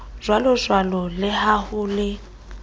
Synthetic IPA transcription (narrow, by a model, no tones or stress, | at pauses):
z̥walɔzwalɔlɪɦahʊlɪ